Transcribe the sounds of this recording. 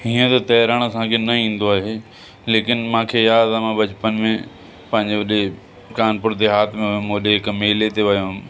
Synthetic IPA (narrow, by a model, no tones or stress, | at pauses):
ɦĩːə̃t̪ot̪ɐjɾəɽ̃ɐsãːkʰenɐĩːnd̪oaːɦeː | leːkɪnmãːkʰejaːd̪amãbɐt͡ɕpənɪ̆mẽ | pɐ̃ɦɪ̃ɲd͡ʑeʋɐɗe | kaːnpʊɾt̪eɦaːt̪ʰmẽmõɗeɦɪkmeːlet̪eʋɐjõ